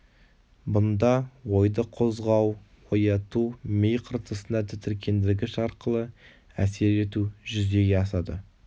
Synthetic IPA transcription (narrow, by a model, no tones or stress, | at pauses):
bʊnd̪ɑwo̞jd̪əqʰo̞zʁɑw | wojɑt̪umejqʰəɾt̪əsənɑt̪ʰɪt̪ɪɾkʲʰe̞nd̪ɪlɡʲɪʃɑɾqəlˠə | æ̰se̞ɾe̞t̪uʒʏze̞ɡʲe̞ɑsɑd̪ə̰